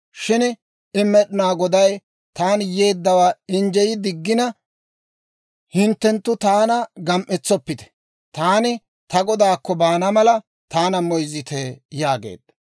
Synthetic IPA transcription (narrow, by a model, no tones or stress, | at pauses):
ʃɪn | ɪmːɛɗɪnaːɡɔd̪ɐj | t̪aːnje̞ːd̪ːɐwaːɪnd͡ʒɛjɪd̪ɪɡːɪnɐ | hɪnt̪ːɛnt̪ːʊt̪aːnɐɡɐmʔɛt͡sːɔpːɪt̪ɛ̥ | t̪aːnɪ | t̪ɐɡɔd̪aːkːɔbaːnɐmɐlɐ | t̪aːnɐmɔjzɪt̪ejaːɡḛːd̪̥ɐ